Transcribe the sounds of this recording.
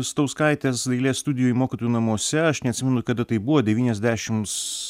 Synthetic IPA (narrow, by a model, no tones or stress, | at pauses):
st̪oʊskɐɪt̪ʲeːsd̪ʲɐɪlʲeːst̪ʊd̪ʲɪjoːjimoːkʲɪt̪oːjunɐmoːsʲɛɐʃnʲɛɐt̪ʲsʲɪmʲɛnʊkɐd̪ɐt̪ɐɪbuʋoːd̪ʲɛʋʲiːnʲɛzʲd̪ʲæːʃʲɪms